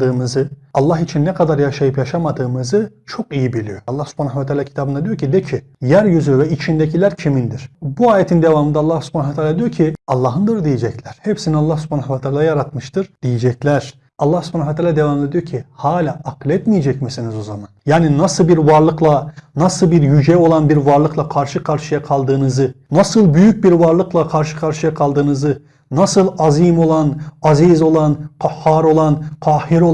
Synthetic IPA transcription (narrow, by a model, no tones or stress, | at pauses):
d̪ɯːmɯzɯɑlˠːɑɦit͡ʃʰinːɛkʰad̪aɾjaʃajɯpjaʃamad̪ɯːmɯzɯt͡ʃʰo̞kijibilʲḭjoɑlˠːahsy̥pʰanavat̪ʰaːlʲacʰit̪ʰaːbɯnd̪ad̪ijoɾcʰid̪ɛcʰi | jæɾjyzyvɛit͡ʃʰind̪ɛcʰilʲæɾcʰimind̪iɾ̥buaːjet̪ʰind̪evamɯnd̪alˠːahsy̥pʰanavat̪ʰalʲːad̪ijoɾcʰiɑlˠːɑːɦɯnd̪ɯɾd̪ijed͡ʒɛclʲæɾ̥hepsinialˠːɑhsy̥pʰanakvat̪ʰaːlaajaɾat̪mɯʃt̪ɯɾ̥d̪̥ijed͡ʒɛclʲæɾ̥ | ɑlˠːahsu̥pʰanavat̪ʰaːlʲːad̪evamɯnd̪ad̪ijoɾcʰihaːlʲaʔaqlʲɛt̪mijɛd͡ʒɛcmisinizo̞zamanjaːninasɯlˠbiɾvaɾlˠɯklˠanasɯlˠbiɾjyd͡ʒɛo̞lˠanbiɾvaɾlˠɯklˠakʰaɾʃɯkʰaɾʃɯjakʰalˠd̪ɯːnɯzɯnasɯlˠbyjyc̚biɾvaɾlˠɯklˠakʰaɾʃɯ̥kʰaɾʃɯjakʰalˠd̪ɯːnɯzɯ | nasɯlˠazimo̞lˠanazizo̞lˠanqʰahːaɾo̞lˠanqʰaːhiɾo